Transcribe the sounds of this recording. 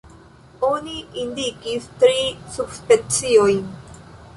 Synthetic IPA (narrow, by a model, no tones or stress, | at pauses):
oniind̪ikist̪ɾisubspent͡siojn